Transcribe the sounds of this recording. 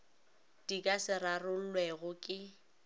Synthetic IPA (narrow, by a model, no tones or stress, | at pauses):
d̥ikʼasɪɾarʊl̩lwɛɣʊkʼɪ